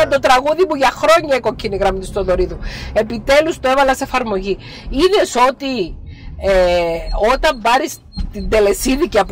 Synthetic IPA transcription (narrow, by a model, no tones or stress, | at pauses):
ɐnt̪o̞t̪ɾɐɣuðimuʝɐxɾo̞ɲːɐekocʰiniɣɾɐmt̪ist̪oðo̞ɾiðue̞pit̪e̞lust̪oevɐlɐse̞fɐɾmo̞ʝi | iðe̞so̞t̪i | eo̞t̪ɐmbɐɾis | t̪ind̪e̞le̞siðiciɐp